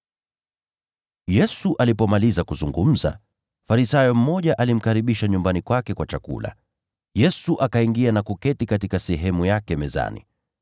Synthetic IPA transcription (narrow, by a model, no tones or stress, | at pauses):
jɛsuʔalipɔmalizakuzuŋɡum̩za̰ | faɾisajɔm̩mɔʄaʔalim̩kaɾiɓiʃaɲumbanikwakɛkwat͡ʃakṵla̰ | jɛsuʔakaiŋɡianakukɛtikatikasɛɦɛmujakɛmɛza̰nḭ